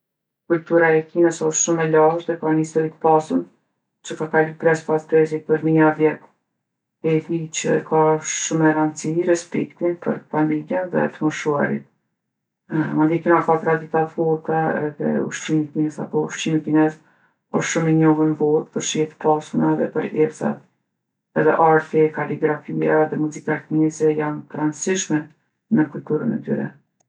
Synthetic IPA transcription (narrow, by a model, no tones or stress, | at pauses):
kult̪uɾaɛkinəsɔʃt̪ʃumɛlaɦðɛkanist̪ɔɾit̪ə̥pasun | t͡ʃəkakalupɾɛspast̪ɾɛzit̪̚pəɾmiavjɛt̪ | ɛɾit͡ɕə̰kʰaʃʃumɛɾant͡siɾɛspɛkt̪inpə̰ɾfamiljɛnðɛ̰t̪əmɔʃua̰ɾḭt̪̚ | mand̪ikinakat̪ɾad̪it̪at̪fɔɾt̪aɛ̰ðɛ̰ṵʃt͡ʃimikinɛza̰pɔuʃt͡ɕimikinɛz | ɔʃʃumɛɲɔɦənvɔðpəɾʃihɛt̪ə̥pasunaðɛpəɾɛɾsa̰t̪ | ɛðɛ̰ʔaɾt̪ɛkaliɡɾafiaðɛmuzikat̪mizɛjant̪ɾansiʃmɛ | nəkulʲt̪uɾənɛ̰t̪y̰ɾɛ̰